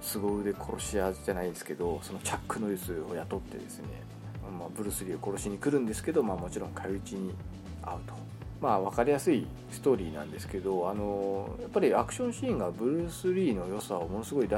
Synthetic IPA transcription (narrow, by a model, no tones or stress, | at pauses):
sɨɡo̞ɯd̪e̞kʰo̞ɾo̞ɕiaʑanaid̪e̞sɨ̥ke̞d̪o̞so̞no̞t͡ɕakːɯ̟no̞jɯsɨojat̪o̞t̪ːe̞̰d̪e̞̰sɨne̞̰ | mabɯ̟ɾɯ̟sɨɾʲiːo̞ko̞ɾo̞ɕiɲ̟ikɯ̟ɾɯ̟̃nd̪e̞sɨ̥ke̞d̪o̞maːmo̞t͡ɕiɾõ̞ŋkʰait͡ɕiɲ̟i | a̰ɯ̟t̪o̞̥ | maβ̞akaɾʲijasɨi | sɨ̥t̪o̞ːɾʲiːnã̰nd̪e̞sɨ̥ke̞d̪o̞ano̞japːaɾʲiakɯ̟̥ɕõɕĩːŋɡabɯ̟ɾɯ̟sɨɾʲiːno̞jo̞saomo̞no̞sɨɡo̞id̪a